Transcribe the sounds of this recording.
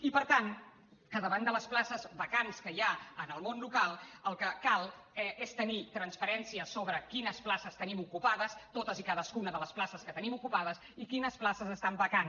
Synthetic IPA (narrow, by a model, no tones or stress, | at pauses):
ipəɾt̪an | kəðəβand̪ələsplasəzβəkanskəjaənəlˠmonlukalˠəlˠkəkalˠɛest̪ənit̪ɾənsfəɾɛnsiəsoβɾəkinəsplasəst̪ənimukupaðəst̪ot̪əzikaðəskunəðələsplasəskət̪ənimukupaðəs | ikinəsplasəzəst̪ambəkan